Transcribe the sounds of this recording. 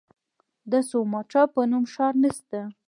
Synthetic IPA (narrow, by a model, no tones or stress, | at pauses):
d̪əsomɑʈ͡ʂɑpənumʃɑɾnəst̪a